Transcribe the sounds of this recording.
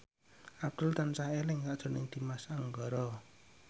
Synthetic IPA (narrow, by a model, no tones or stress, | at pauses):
ab̚d̪̥ʊlt̪ansahelɪŋkaʔd̥ʒ̥ɔ̤nɪŋd̪̥i̤masaŋɡɔɾɔ